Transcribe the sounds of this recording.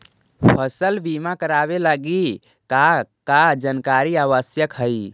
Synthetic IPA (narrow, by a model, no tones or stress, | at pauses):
pʰəsəlbimakəɾaβelaɡi | kakad͡ʒənkaɾiaβəsjəkɦəɪ